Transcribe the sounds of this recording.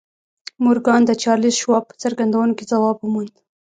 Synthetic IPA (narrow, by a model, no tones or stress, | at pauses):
muɾɡɑnd̪ət͡ʃɑɾlisʃwɑpə̥t͡saɾɡand̪awunoked͡zawɑbumund̪